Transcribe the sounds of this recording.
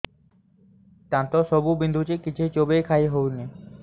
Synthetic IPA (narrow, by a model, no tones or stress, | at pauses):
t̪ant̪oʃobubind̪ʱut͡ɕekit͡ɕʰejt͡ɕobejkʰaiɦowni